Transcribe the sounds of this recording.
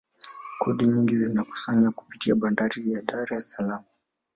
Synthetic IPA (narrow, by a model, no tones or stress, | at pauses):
kʰɔɗiɲiŋɡizinaku̥saɲaku̥pitiaɓandaɾijaɗaɾɛsalamu